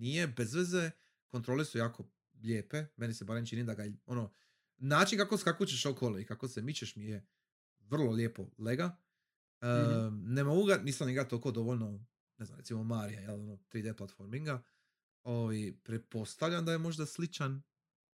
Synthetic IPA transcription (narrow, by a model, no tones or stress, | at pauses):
nije̞be̞zʋeze | kont̪ɾo̞lesujaːkʰo̞ | ʎeːpe̞me̞nisebaːɾemt͡ʃinid̪aɡaio̞no | naːt͡ʃinkakoskakot͡ʃeʃokʰolˠeikakosemit͡ʃeʃmije | ʋr̩lˠo̞lʲje̞ːpo̞leɡa | ənemo̞ɡuɡaniːsaniɡat̪olkod̪o̞ʋolno̞ | ne̞za̰mɾet̪imo̞maːɾijajelo̞not̪ɾiːd̪e̞plˠat̪fo̞ɾmiŋɡa | oːʋajpɾe̞po̞st̪aʋʎʲamd̪ajemo̞ʒd̪aslit͡ʃan